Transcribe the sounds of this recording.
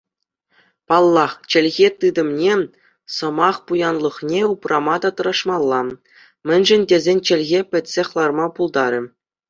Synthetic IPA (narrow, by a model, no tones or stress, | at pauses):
pɑlˠːɑχt͡ɕɘ̆lʲɣʲet̪ɯd̪ɤ̆mnʲe | sɤ̆mɑχpujɑnlˠɤ̆χnʲeuprʔɑmɑd̪ɑt̪ɤ̆ɾɑʂmɑlˠːɑ | mʲɘ̆nʲʐɘ̆nʲdʲezʲenʲt͡ɕɘ̆lʲɣʲepʲɘ̆tʲsʲeχlˠɑrmɑpulˠd̪ɑɾʲɘ̆